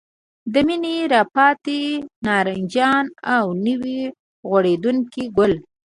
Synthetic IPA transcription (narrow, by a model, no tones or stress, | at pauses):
d̪əmineɾɑpɑt̪enɑɾand͡ʒɑnawnəwi | ɣwaɽed̪uŋkiɡʊl